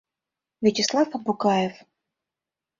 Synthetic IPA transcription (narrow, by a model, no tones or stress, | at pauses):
vʲet͡ɕɪslˠafɐbʊkajɛf